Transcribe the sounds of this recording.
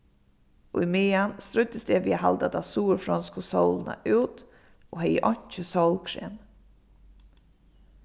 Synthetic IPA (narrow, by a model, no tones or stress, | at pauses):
imɪːanst̪ɾʊt̪əsd̪ɛːʋiːaɦa̰lt̪at̪asuːɾfɾɔnskʊsɔwləna̰ʔuːt̪ | oɦɛjə̰ʔɔɲ̥t͡ʃəsɔwlkʰɾɛːm